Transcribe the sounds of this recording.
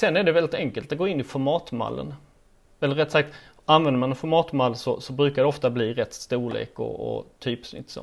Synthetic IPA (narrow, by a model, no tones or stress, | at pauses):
sɛnːæɖɛvɛlɪt̪ɛŋkəlt̪at̪̚ɡoːɪnːɪfɔɾmɑːt̪ma̰lːə̰n | ɛlːəɾɛt̪sak̚t̪ | anvɛnd̪əmanɛnfɔɾmɑːt̪malːsɔsɔbɾʉ̟ːkaɖ̪ɛɔft̪abliːɾɛt̪ːst̪uːlḛːkɔ̰ɔ̰t̪ʰyːpsnʏ̰t̪ːsɔ̰